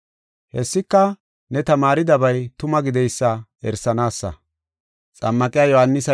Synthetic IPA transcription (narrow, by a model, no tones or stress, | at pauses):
hɛsːɪkːɐ | nɛt̪ɐmaːɾɪd̪ɐbɐjt̪ʊmɐɡɪd̪ɛjsːɐɛɾsːɐnaːsːɐ̰ | t͡sʼɐmːɐkʼɪjaːjɔhɐnːɪsɐ